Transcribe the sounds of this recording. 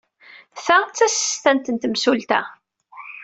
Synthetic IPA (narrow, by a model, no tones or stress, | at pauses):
θæt͡sːæsəːt̪ænt̪ənt̪əmsult̪æ̰